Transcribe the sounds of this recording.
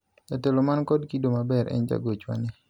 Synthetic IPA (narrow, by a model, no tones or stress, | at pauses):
d͡ʒatelomankɔdkidomabɛɾʔɛ̰nd͡ʒa̰ɡot͡ʃwa̰nɪ